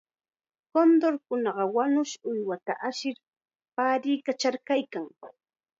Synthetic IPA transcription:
kond̪oɾkʊnɑɢɑwanʊʃʊjwat̪a̰ʔaʃɪɾ | paːɾiːkat͡ʃaɾkajkaŋ

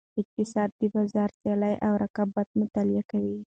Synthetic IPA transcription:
ɪk̚t̪isad̪̚ːibazaɾt̪alajʔawɾʔakabat̪̚mət̪aliakawi

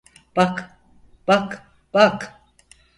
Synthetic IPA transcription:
bak | bak | bak

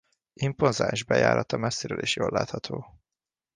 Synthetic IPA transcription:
imponzaːnʒbɛja̰ːɾʔɒt̪ɒmɛsːeɾøːlʔeːʃjoːlːaːt̪hɒt̪ʰoː

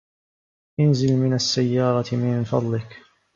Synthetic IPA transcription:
ʔɪnzɪlmɪnasːajːɑːɾˤɑmɪnfɑ̰d̪ˤlɪk

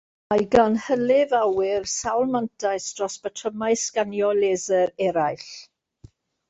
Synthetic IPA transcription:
majɡanhəlɪvawɪrsawlˠmantʰajsd̥rɔsb̥ətʰəmajskanjɔleːzəɾɛɾajɬ

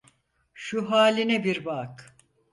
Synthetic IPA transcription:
ʃuɦaːlʲinɛbiɾbak

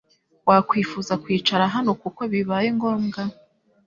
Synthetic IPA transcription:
wakwiːfuzakwiːt͡ʃaɾaɦano̞kuko̞βiβaːjeŋɡo̞ːmɡa

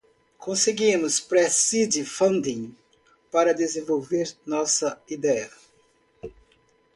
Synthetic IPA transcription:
kʰõseɡĩmʊspɾɛsid̪ɪfɐ̃nd̪ĩŋ | paɾɐd̪ezẽvowveɾnɔsɐid̪ɛɐ

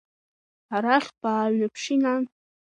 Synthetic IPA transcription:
aɾaχʲbaːɥnapʰʂina

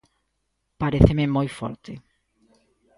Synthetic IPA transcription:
paɾeθememojfɔ̰ɾt̪e

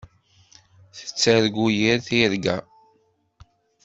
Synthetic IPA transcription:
θə̥t͡sːæɾɡujəɾθiɾɡæ̰

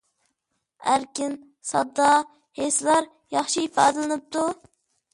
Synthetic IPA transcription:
æɾkʲɪn | sɑ̰d̪ːɑ | heslˠɑɾ | jɑχʃiipɑːd̪ɨlˠɨnɨp̚t̪ʰu

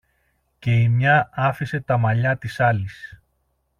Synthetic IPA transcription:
ce̞imɲɐɐfise̞t̪ɐmɐʎɐt̪isɐlis

